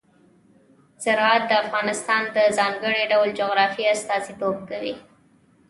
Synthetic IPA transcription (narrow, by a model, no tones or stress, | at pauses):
sɪɾɑt̪̚d̪əafɣɑnɪst̪ɑnd̪əzɑŋɡəɽiɖawld͡ʒoɣɾɑfiast̪ɑzit̪ob̚kawi